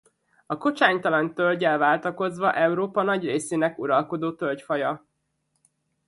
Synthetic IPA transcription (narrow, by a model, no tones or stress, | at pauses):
ɒko̞t͡ʃaːɲt̪ɒlɒnt̪ølɟɛlvaːlt̪ɒko̞zʋɒʔɛuɾoːpɒnɒɟreːseːnɛkuɾɒlko̞d̪oːt̪ølcfɒjɒ